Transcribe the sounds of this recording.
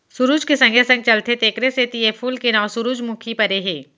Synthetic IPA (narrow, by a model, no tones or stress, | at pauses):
sʊɾuːd͡ʒkesɐ̃ŋɡesɐ̃ŋɡ̚t͡ʃɐlt̪ʰet̪eːkɾeset̪iepʰuːlkenãːsʊɾuːd͡ʒmʊ̃kʰipɐɾeɦeː